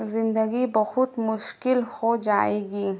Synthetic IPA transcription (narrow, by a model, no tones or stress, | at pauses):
zɪnd̪əɡibɐhʊd̪mʊʃkilhod͡ʒaeɡi